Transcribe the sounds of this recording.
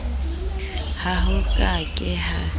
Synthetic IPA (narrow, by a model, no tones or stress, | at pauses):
haɦʊkʼakʼɪha